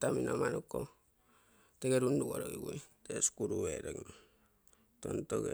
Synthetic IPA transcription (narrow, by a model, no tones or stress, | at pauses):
taminamanokːo | teɡeɾunduɡoɾoɡiɡuiteskuɾueɾekn | tontoke